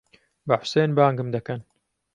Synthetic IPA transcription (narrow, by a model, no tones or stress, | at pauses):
bɐħʊ̥seːnbaːŋɡɨmd̪ɐkɐn